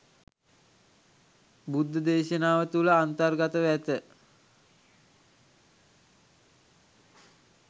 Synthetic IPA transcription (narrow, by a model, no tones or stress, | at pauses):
bud̪ʱːəd̪eːʃənaːʋət̪uləant̪ərɡat̪əʋæt̪ə